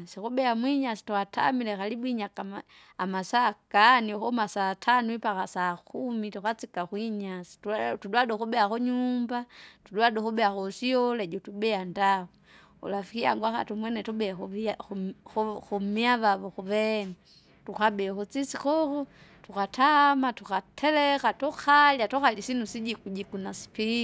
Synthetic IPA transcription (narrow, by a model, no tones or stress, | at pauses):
sikubɛamwiɲasi̥tuxatʰa̰milɛkalibwiɲakama | amasakanixɔmasaːtʰanuipakasaːkumitukat͡sikaxwiɲasi̥ttudwaduxubɛaxuɲumbatuduaduxubɛaxɔsiɔlɛd͡ʒɔtubɛandau | ṵlafikia̰ŋɡwaka̰tumwɛnɛtubɛx | xumiaβaβɔxuβɛna | tukabɛxut͡sisixɔxɔtukatʰamatukatʰɛlɛkatɔkaljatɔxalisinusid͡ʒikuɟikunasi̥pi